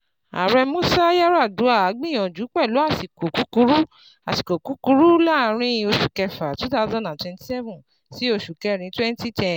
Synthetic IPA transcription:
a̰˨ɾɛ˧mũ˦sa˦ja˦ɾa˦˨du˨˦a˦˨a˨˦ɡ͡bĩ˦˨j̃ɔ̃˨d͡ʒu˨˦k͡pɛ˦˨lo˨˦a˦˨si˨ko˨ku˨˦ku˧˦ɾu˦ | a˨si˨ko˨ku˨˦ku˨˦ɾu˦la˦˨˦ɾ̃ĩ˧o˧ʃu˨kɛ˧fa˨tu˦ta˧˦zã˦nã˨twɛ̃˧nti˦sɛ˦vũ˨ | si˨˦o˧˨ʃu˨kɛ˧ɾ̃ĩ˨˦twɛ̃˦n˦ti˦tɛ̃˧

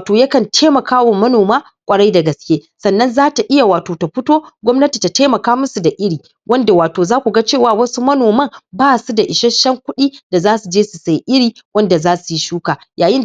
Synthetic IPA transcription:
toː˨jɐ˦kɐ˨ntʰeː˦mɐ˨kʰaː˦wa˨mɐ˦noː˨maː˦ | kʷʼɐ˨ɽa˦jda˨ɡɐ˨skʲeː˦sɐ˨nːɐ˦nzaː˦ta˨ʔɪ˦ja˨waː˨toː˨ta˨ɸɪ˦toː˦ɡʷɔ˦mnɐ˦ti˨ta˨teː˦mɐ˨kaː˦mʊ˦su˨da˨ʔɪ˦ɽiː˨ | wɐ˦nda˨waː˨toː˨zaː˦kʷu˨ɡa˦t͡ʃeː˦˨waː˨wɐ˦su˦mɐ˦noː˨mɐ˦ŋbaː˦˨su˦da˨ʔɪ˨ʃɐ˦nʃɐ˦ŋkʷʊ˦ɗiː˦da˨zaː˦su˨d͡ʒeː˦su˨sa˦˨jʔɪ˦ɽiː˨wɐ˦nda˨zaː˦su˨ji˦ʃuː˦kaː˨jaː˨jɪ˦n

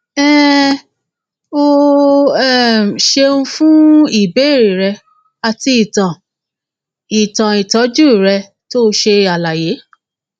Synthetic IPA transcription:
ɛ˦ | o˧ | ɛ˦˨ʃe˧ũ˦fũ˦i˦˨be˨˦i˦˨ɾi˨ɾɛ˧ | a˧ti˧i˨tã˨ | i˨tã˨i˨tɔ˨˦d͡ʒu˦i˨ɾɛ˧ | to˦˧ʃe˧a˨la˨je˨˦

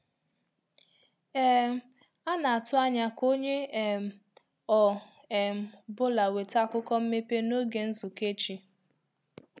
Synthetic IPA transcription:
ɛ˦ | a˦na˨a˨tʊ˦a˦ɲa˦ko˦ɲe˦˨ | ɔ˨ | m̩˦bʊ˦la˨we˨ta˦˨kʊ˦kɔ˦m̩˦me˦pe˦no˦ɡe˨n̩˦zʊ˨ke˦t͡ʃi˦

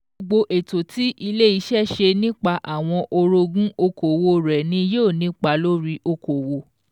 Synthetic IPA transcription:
o˧ɡ͡bo˧ʔe˨to˨ti˨˦ʔi˧le˦i˧˦ʃɛ˦ʃe˧nĩ˦k͡pa˧ʔa˨w̃ɔ̃˧ʔo˧ɾo˧ɡũ˦o˧ko˨wo˧ɾɛ˨nĩ˧˦˧jo˦˨nĩ˨˦k͡pa˧˦lo˦ɾi˧ʔo˧ko˨wo˧˦

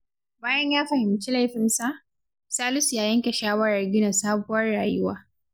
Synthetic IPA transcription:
baː˦jɐ˦ɲjaː˦ɸɐ˨hɪ˨mt͡ʃi˦la˦jɸɪ˨nsa˨ʔ | saː˦lʊ˦sjaː˨˦jɐ˦ŋkʲɛ˨ʃaː˦wɐ˦ɽɐ˨rɡʲɪ˦nɐ˨saː˦bʊ˦wɐ˦rːaː˨jʊ˦waː˦

